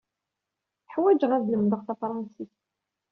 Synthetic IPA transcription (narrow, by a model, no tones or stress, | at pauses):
θəħwæd͡ʒʁæðləmðəʁθɑfɾˤɑnsiθ